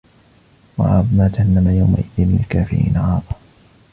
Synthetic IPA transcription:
wɑʕɑ̰ːbmaːt̪ahanːamajawma̰ʔɪðɪnmɪnalkaːfɪɾḭːnaʕɑːðˤɑ

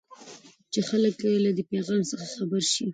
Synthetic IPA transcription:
t͡ʃexaləklad̪əpeɣɑnsəxaxabaɾʃi

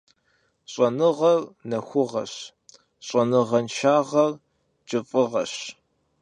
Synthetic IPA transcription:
ɕʼɐnɨʁɐrnɐxʷʊʁɐ̰ɕ | ɕʼɐnɨʁɐnʃaːʁɐr | t͡ʃʼɪfʼɨʁɐɕ

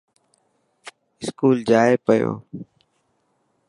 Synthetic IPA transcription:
ɪskuːld͡ʒaːepəjo̰ː

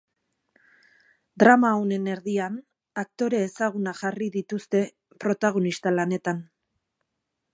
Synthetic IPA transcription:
d̪ɾamaone̞ne̞ɾðian | ak̚t̪o̞ɾe̞ːsaɣ̞unaʝariðit̪ust̪e̞ | pɾo̞t̪aɣ̞o̞nist̪alane̞t̪an

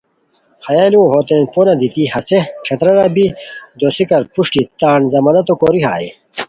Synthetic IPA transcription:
hɐjaːluoɦoːt̪enponɐd̪it̪ihɐseʂʰɐt̪ɾɐɾɐbid̪oːsikɐɾpuʂʈit̪aːɳzɐmɐnɐt̪okoːɾiɦa̰ːi

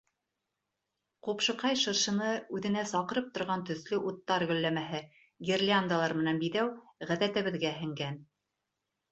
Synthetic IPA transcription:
qupʃɤ̆qɑjʃɤ̆ɾʃɤ̆nɤʉðɘ̆næsɑqɤ̆ɾɤp̚t̪ŏɾʁɑnt̪ɵ̆θlɵʔut̪ːɑɾɡɵ̆lːæmæɦɘ | ɡʲerlʲand̪əlˠɑɾmɘ̆nænbiðæwʁæðæt̪ɘ̆βɘ̆ðɡæɦɘ̆ŋɡæn

